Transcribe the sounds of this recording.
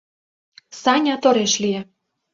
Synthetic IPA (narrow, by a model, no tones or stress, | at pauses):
sɑnʲɑt̪oɾeʃliĕ